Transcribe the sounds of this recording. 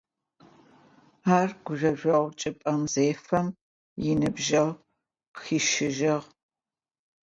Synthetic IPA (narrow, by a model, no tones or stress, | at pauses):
aːrɡ̥ʷʊʒɐʒʷɐʁʷt͡ʃʼɨpʼɐmzeːfɐm | jɪnɨbʒɐl | xiːʃɪʒɐʁ